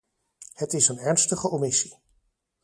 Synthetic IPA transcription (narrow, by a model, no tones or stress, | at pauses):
hətɪsənɛɹnstəχəomisi̥